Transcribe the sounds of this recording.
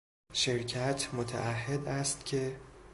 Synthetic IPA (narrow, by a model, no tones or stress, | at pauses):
ʃeɾcʰæt̪ʰmot̪ʰæ̰ʔæhːed̪æst̪cʰe̞